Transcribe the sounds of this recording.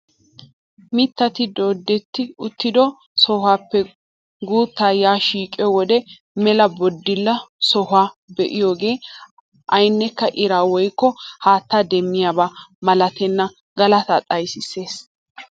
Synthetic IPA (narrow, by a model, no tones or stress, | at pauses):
mɪt̪ːɐt̪ɪd̪oːd̪ːɛt̪ːɪʊt̪ːɪd̪ɔ | sɔhaːpːɛ | ɡuːt̪ːaːjaːʃiːkʼɛwɔd̪ɛ | mɛlɐbɔd̪ːɪlːɐsɔhaːbɛʔɪjoːɡe̞ː | ʔɐjnːɛkːɐʔɪɾaːwɔjkːɔhaːt̪ːad̪ɛmːɪjabaːmɐlɐt̪ɛnːɐ | ɡɐlɐt̪ɐt̪ʼɐjsɪse̞ːs